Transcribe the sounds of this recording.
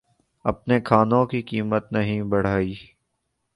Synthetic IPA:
ɐ̰p̚nekʰaːnõkikiːmət̪nɐɦĩbɐɽ̤aːiː

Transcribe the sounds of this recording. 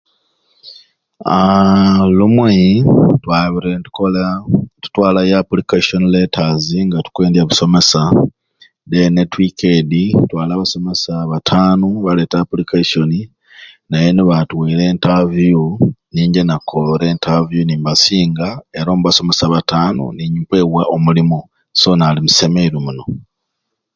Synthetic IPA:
a | lumwetwaβiɾentu̥kolatu̥twaːlajapulikaʃo̞nile̞taziŋɡatu̥kwe̞ːndjaβuso̞me̞sa | denetwikeditwaːlaːβaso̞me̞saβatʰaːnuβale̞ːtapulikaʃo̞ni | naje̞niβatuwiɾe̞ːntavuniːɲɟe̞nakʰoloɾe̞ːntavjuniːmbasiːŋɡae̞ɾaoːmuβaso̞me̞saβataːnṵniːɲipwe̞ːwaʔomulimo | so̞ːnaːlimuse̞meiɾumuno̞

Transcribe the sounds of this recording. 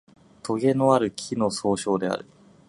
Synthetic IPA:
t̪ʰo̞ɡe̞noaɾɯ̟kʲʰino̞soːɕo̞ːd̪e̞a̰ɾɯ̟

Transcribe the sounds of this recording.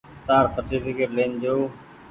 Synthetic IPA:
t̪aːɾsəʈiːfɪkeʈleːnd͡ʑoː

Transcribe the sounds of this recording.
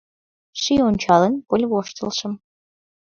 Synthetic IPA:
ʃionʲt͡ɕɑlənpolʲβoʃt̪ə̆lˠʃə̆m

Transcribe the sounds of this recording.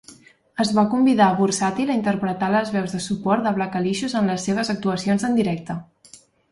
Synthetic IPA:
əzβakumbiðaβursat̪iləint̪əɾpɾət̪aləzβɛwzðəsupɔɾt̪̚d̪əβlakəliʃuzənləsːeβ̞əzək̚t̪uəsionzənd̪iɾɛk̚t̪ə

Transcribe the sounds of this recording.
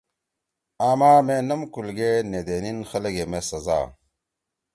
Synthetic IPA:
aːmaːmenɐmkulɡened̪eːninxɐlɐɡemesɐza̰ː

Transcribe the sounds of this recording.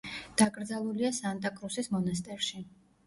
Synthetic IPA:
d̪̥aɡʼɾd̪zalˠuliasant̪ʼakʼɾusismɔnas̬t̪ʼɛɾʃi

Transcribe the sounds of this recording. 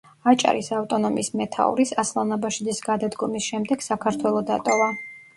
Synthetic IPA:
at͡ʃʼa̰ɾisaft̪ʼɔnɔmḭsmɛt̪ʰa̰ṵɾisaslˠanabaʃid̪isɡad̪ad̪ɡɔmisʃɛmd̪ɛɡ̥sakʰaɾt̪ʰwɛlˠɔd̪at̪ʼɔva

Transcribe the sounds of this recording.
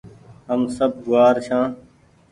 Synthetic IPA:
ɦəmsəb̚ɡʊaːɾt͡ɕʰãː

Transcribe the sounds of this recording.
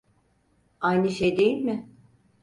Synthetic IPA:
ajnɯʃejd̪ejilʲmɪ

